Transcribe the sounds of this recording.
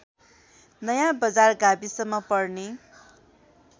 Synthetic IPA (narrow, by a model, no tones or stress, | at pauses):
nʌjãbʌd͡zarɡabisʌmːʌpʌrne